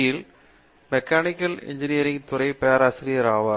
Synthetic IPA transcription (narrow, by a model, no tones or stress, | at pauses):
jɪl | mɛkːaːnɪkːɐlɛ̰ɲd͡ʒɪnijɐɾɪŋt̪ʊɾɐɪpɐjaːɾaːsɾɪjɐɾaːʋɐ